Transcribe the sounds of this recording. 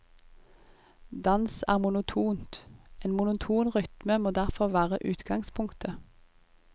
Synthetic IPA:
d̪ɑnsæ̰ːʁmʊnʊt̪ʰuːnt̪eːnmʊnʊt̪ʰuːnʁʏt̪məmoːd̪æʁfɔʁʋæːʁəʔʉːt̪ɡɑŋspʰʊŋkt̪ʰə

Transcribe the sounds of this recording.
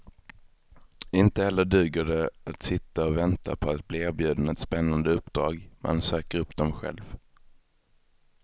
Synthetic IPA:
ɪnt̪əhɛlːəɖʉ̟ːɡəɖɛat̪sɪt̪ːaɔvɛnt̪a̰pʰɔat̪̚bliːeːɾbjʉ̟ːd̪nɛt̪spɛnːand̪əɵpːd̪ɾɑːɡmʔɛ̰nsøːkəɾɵpːd̪ɔmɧɛ̰lv

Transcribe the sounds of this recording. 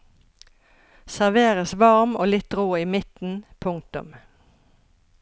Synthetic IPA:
sæʁʋeːʁəsʋɑʁmoːlɪt̪ʁoːiːmɪt̪n̩pʰʊŋk̚t̪ʊ̰m

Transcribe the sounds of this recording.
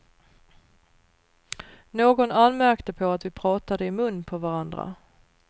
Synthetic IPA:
noːɡɔnanːmæɾkt̪əpʰɔat̪vɪpʰɾɑːt̪ad̪əɪmɵnːpʰɔvaɾand̪ɾa̰

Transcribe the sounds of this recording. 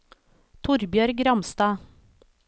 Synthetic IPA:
t̪ʰʊɾbjœːɾɡɾɑmst̪ɑː

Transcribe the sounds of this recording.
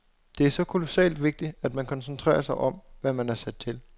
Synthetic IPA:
d̥e̝æɐsɒ̽kʰolo̝sɛ̰ːld̥ʋe̝ɡ̥̚d̥i̥æd̥mænkʰɒ̽nsnt͡sʰʁɛ̰ːɐsɑ̈ɪʔɒ̽mʋæmænæɐsæd̥̚t͡sʰe̝l

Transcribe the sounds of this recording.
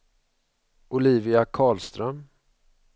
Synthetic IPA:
ʊliːvɪakʰɑːlst̪ɾœm

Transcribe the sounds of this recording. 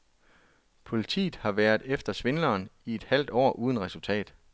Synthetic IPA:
pʰo̝lit͡sʰḭːð̩ˠhɑ̈ʋæːɐð̩ˠefd̥ɐsʋe̝nlɐːnie̝d̥hæl̰d̥ɒ̰ːʔuːð̞ˠənʁɛsult͡sʰɛ̰ːd̥

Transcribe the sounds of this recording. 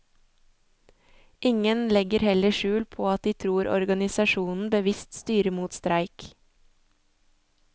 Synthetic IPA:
ʔɪŋənlɛɡəɾhɛləʃʉːlpʰoːɑt̪̚d̪iːt̪ʰɾuːɾɔ̰ɾɡɑnɪsɑʃuːnn̩bəʋɪst̪st̪yːɾəmuːt̪st̪ɾæɪk

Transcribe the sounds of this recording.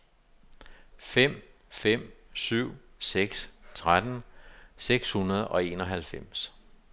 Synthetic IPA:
fem̰ | fem̰syʊ̰seɡ̥st͡sʰʁad̥nseɡ̥shunɐð̞̩ˠɒ̽e̝ːnɒ̽ɦælfem̰s

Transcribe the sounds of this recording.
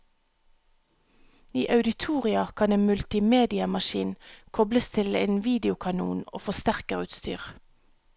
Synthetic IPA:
iːʔɑʉd̪ɪt̪ʰuːʁɪɑkʰɑneːnmʉlt̪ɪmeːd̪ɪɑmɑʃiːnkʰɔbləst̪ʰɪlḛːnʋiːd̪ɪʊkʰɑnṵːno̰ːfɔst̪æʁkəʁʉːt̪st̪y̰ːʁ

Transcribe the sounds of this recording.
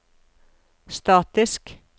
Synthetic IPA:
st̪ɑːt̪ɪsk

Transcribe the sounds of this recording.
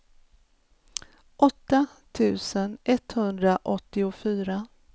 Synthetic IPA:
ʔɔt̪ːa | t̪ʰʉ̟ːsənʔɛt̪hɵnd̪ɾaʔɔt̪ːɪʊfyːɾa

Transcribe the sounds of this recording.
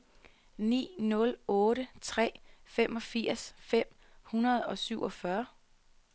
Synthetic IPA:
nḭːnɔ̽lɔ̽ːɾət͡sʰʁɛ̰ːfem̰ʔɒ̽fiɐ̰sfem̰ | hunɐð̞ˠɒ̽syʊʔɒ̽fɶɐ

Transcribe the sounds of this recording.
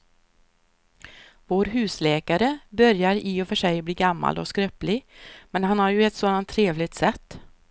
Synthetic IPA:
voːɾɦʉ̟ːslɛːkaɾəbœɾjaɾɪɔfœʂɛjbliːɡamːa̰lɔ̰skɾœplɪɡmɛnɦanhaɾjɵɛt̪soːd̪ant̪ʰːɾeːvlɪt̪sɛt̪ː

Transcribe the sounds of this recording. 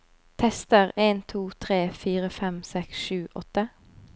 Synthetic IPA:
t̪ʰɛst̪əʁeːnt̪ʰuːt̪ʰʁeːfiːʁəfɛmsɛksʃʉːʔɔt̪ə

